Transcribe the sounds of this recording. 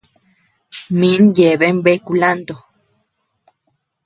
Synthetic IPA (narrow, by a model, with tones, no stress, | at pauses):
mĩ˨˦nje˨βe˦mbe˦ku˧˨la˦nd̪o˨